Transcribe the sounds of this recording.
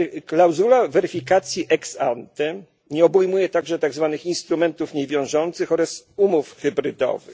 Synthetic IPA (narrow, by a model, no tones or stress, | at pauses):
klawzulavɛɾɘfʲikat̪sʲjiʔɛksant̪ɛ | ɲɛɔbujmujɛt̪aɡʐɛt̪aɡzvanɘxinst̪ɾumɛnt̪ufɲɛvʲjɔ̃w̃ʐɔnt̪sɘxɔɾasumufxɘbɾɘd̪ɔ̰vɘ̰